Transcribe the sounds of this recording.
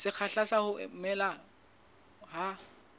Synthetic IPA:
sɪk͡xʰaɬasahʊʔɪ̰m̩mɛla | ha

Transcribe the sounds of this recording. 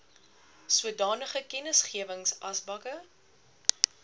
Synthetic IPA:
suədɑːnəχəkɛnəsχiəvəŋsʔɐsbɐkə

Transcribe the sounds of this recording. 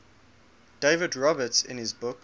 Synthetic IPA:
d̥eɪvədɹɔbətsɪ̰̃nɪzbʊk

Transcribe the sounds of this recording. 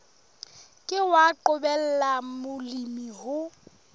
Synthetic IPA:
kʼɪwaǃʊbɛl̩lamʊlimihʊ

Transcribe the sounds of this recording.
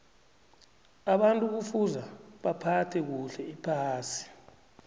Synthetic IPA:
aɓantʼuk̬ufuzaɓapʰatʰɛk̬uɬɛipʰaːsi̥

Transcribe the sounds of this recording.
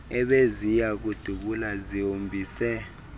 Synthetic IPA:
ɛɓezijak̬ud̥ʱuɓulaziɦombʱiːsɛ

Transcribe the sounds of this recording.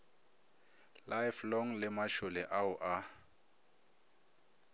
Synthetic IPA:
lajflɔŋlɪmaʃʊlɛʔaʊʔa

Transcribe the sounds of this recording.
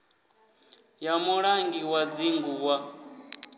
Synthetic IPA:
jamuɺaŋɡiwad͡ziŋɡuwa

